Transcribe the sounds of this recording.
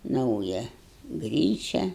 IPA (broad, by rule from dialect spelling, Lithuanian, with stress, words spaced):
ˈnɐʊjɛ ˈɡrʲiːt͡ʃʲɛ